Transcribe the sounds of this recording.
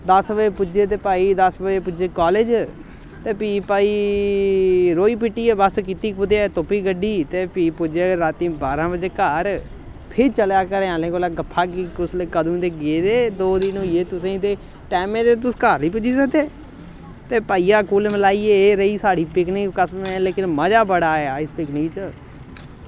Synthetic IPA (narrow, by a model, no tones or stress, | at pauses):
d̪əsbəd͡ʒeːpʊd͡ʒeːt̪eːpaːiːd̪əsbəd͡ʒeːpʊd͡ʒeːkɔːled͡ʒ | t̪eːpiːpaːiː | ɾoːiːpɪʈːiːebəskɪt̪iːpʊt̪eːt̪opiːɡəɖːiːt̪eːpiːpʊd͡ʒeɾaːt̪ĩːbaːɾãːbəd͡ʒeːkəɾ | pʰɪɾt͡ʃəljaːkəɾẽãːlẽːkoːlaːɡəpʰːaːkikʊslkəd̪ũːd̪eːɡeːd̪eːd̪oːd̪ɪnʊieːt̪ʊsẽːt̪eː | ʈɛːmẽːd̪et̪ʊskaːɾniːp̬ʊd͡ʒiːsəkd̪eː | t̪eːpaːijaːkuːlməlaːiːeːeːɾəiːsaːɽiːpɪknɪkkəsmẽleːkɪnməd͡ʒaːbəɽaːɛːaːɪspɪknɪkt͡ʃə